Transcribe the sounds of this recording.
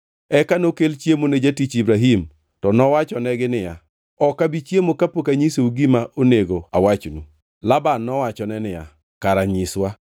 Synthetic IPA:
ɛkanokelt͡ʃjemoned͡ʒatit͡ʃibɾaɦim | tɔnɔwat͡ʃɔnɛɡɪnɪja | ɔkabit͡ʃjemokapokaɲisouɡimaʔoneɡoawat͡ʃnu | labanːɔwat͡ʃɔnɛnɪja | kaɾaɲɪswa

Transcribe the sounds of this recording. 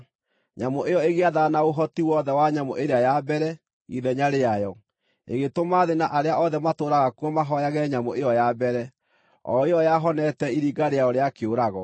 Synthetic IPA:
ɲamoʔejɔeɣeaðanaoɦɔtiwɔðɛwaɲamoʔeɾeajabɛɾɛ | ḭðɛɲaɾeajɔ | ḛɣetomaːðenaʔaɾeaʔɔðɛmatoːɾaɣakuɔmaɦɔjaɣɛɲamoejɔjabɛɾɛ | ɔ̰ejɔjaɦɔnɛtɛiɾiɡaɾeaɔɾeakeoɾaɣɔ

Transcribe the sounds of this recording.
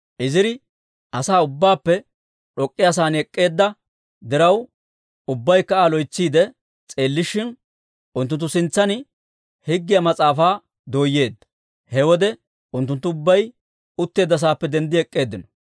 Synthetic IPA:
ʔɪzɪɾɪ | ʔɐsaːʊbːaːpːɛ | ɗɔkʼːɪjas̬aːnɛkʼːe̞ːd̪ːɐ | d̪ɛɾɐw | ʊbːɐjkːɐaːlɔjt͡sːiːd̪ɛ | t͡sʼe̞ːlːɪʃːɪn | ʔʊnt̪ːʊnt̪ːʊsɪnt͡sːɐnɪ | hɪɡːɪjɐmɐt͡sʼaːfaː | d̪o̞ːjːe̞ːd̪ːɐ̥ | hɛwɔd̪ɛ | ʊnt̪ːʊnt̪ːʊʊbːɐj | ʊt̪ːe̞ːd̪ːɐs̬aːpːɛd̪ɛnd̪ɪɛkʼːe̞ːd̪ːɪnɔ̥

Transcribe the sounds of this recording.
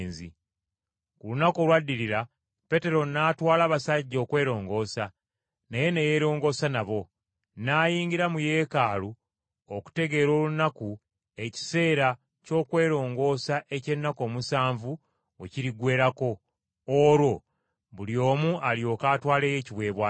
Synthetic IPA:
nzi | kulunako̞lwadːiɾiɾa | pe̞te̞ɾo̞naːtwaːlaβasaɟːo̞ːkwe̞ːɾo̞ːŋɡo̞ːsa | neje̞neje̞ːɾo̞ːŋɡo̞ːsanaβo̞ | naːjiːŋɡiɾamuje̞ːkaːlu | oku̥te̞ɡe̞ɾo̞ːlunaku | e̞ci̥se̞ːɾa | co̞ːkwe̞ːɾo̞ːŋɡo̞ːsaʔe̞ce̞nːako̞ːmusaːɱvu | ociɾiɡwe̞ːɾako̞ | oɾwo̞ | βulio̞ːmuʔalijo̞ːkaːtwaːle̞ːje̞ːciβwe̞ːβwa

